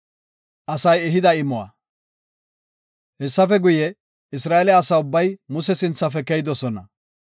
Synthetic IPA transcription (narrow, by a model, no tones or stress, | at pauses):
ʔɐsɐjɛɦɪd̪ɐɪmɔwa̰ | hɛsːɐfɛɡʊjɛ | ɪs̬ɾaːɛlɛɐsɐʊbːɐjmʊsɛsɪnt͡sːɐfɛkɛjɪd̪ɔsɔnɐ